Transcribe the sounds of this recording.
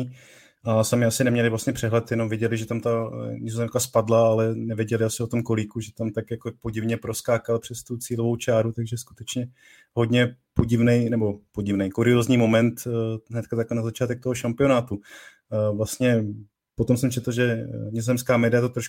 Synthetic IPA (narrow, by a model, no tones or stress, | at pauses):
ʔasamɪasɪnɛmɲɛlɪvlast̪ɲɛpr̥ɛɦlɛt̪jɛnomvjɛɟɛlɪʒɛt̪amt̪aɲɪzozɛmkaspadlaalɛnɛvjɛɟɛlɪasɪot̪o̞mkoliːkuʒɛt̪amt̪akjakopo̞ɟɪvɲɛpɾo̞skaːkalpr̥ɛst̪ut͡siːlovo̞wt͡ʃaːɾut̪aɡʒɛsku̥t̪ɛt͡ʃɲɛ | ɦo̞d̪ɲɛpoɟɪvnɛjnɛbo̞po̞ɟɪvnɛjkuɾɪozɲiːmo̞mɛnt̪ɦnɛt̪kat̪aklɛnazat͡ʃaːt̪ɛk̚t̪oɦoʃampɪo̞naːt̪u | vlast̪ɲɛ | pot̪o̞msɛmt͡ʃɛt̪l̩ʒɛɲɪzozɛmskaːmɛdɪat̪ot̪ɾoʃ